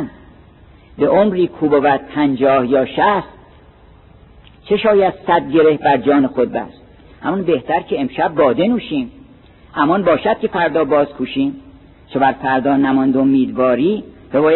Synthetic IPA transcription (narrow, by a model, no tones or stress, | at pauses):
n | beʔomɾiːkʰuːbovæt̪̚pʰænd͡ʒɒːhjɒːʃæst̪ | t͡ʃʰe̞ʃɒːjæd̪̥sæd̪̚ɟe̞ɾe̞hbæɾd͡ʒɒːnexod̪̚bæ̰s | hæmɔnbe̞ht̪ʰæɾcʰeemʃæb̚ːɒːd̪e̞nuːʃiːm | ʔæmɒnbɒːʃæd̪̥̚cʲʰe̞fæɾd̪ɒːbɒːzkʰuːʃiːm | t͡ʃʰebæɾfæɾd̪ɒːnæmɒnd̪oomiːd̪vɒːɾiːb̥ebɒːj